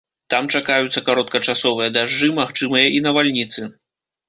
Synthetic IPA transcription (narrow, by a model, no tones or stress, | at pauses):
t̪amt͡ʂakajut̪sːɐkaɾɔt̪̚kɐt͡ʂasɔvɨjɐd̪aʐd͡ʐɨmaxt͡ʂɨmɨjɐʔinɐvalʲnʲit̪sɨ